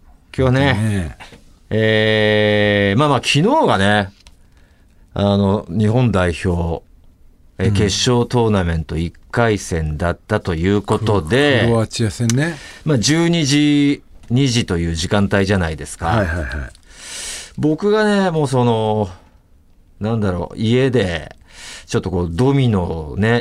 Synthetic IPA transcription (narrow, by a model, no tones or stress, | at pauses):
kʲjoːane̞ | eː | maːmaːkʲʰino̞ːɡane̞ | ano̞ɲ̟iɦõ̞nd̪aiçʲo̞ː | eke̞ɕːo̞ːt̪o̞ːnamẽ̞nt̪o̞ikːaisẽ̞nd̪at̪ːat̪o̞jɯ̟ːko̞t̪o̞d̪e̞at͡ɕijasẽnːemad͡ʑɨːɲ̟iʑiɲ̟iʑit̪o̞jɯ̟ːʑikãnt̪aiʑanaid̪e̞sɨ̥kaɦajha̰i | bo̞kɯ̟ɡane̞mo̞ːs̬o̞no̞ | nãnd̪aɾo̞̰ie̞d̪e̞ | t͡ɕo̞t̪ːo̞ko̞ːd̪o̞mʲino̞ne̞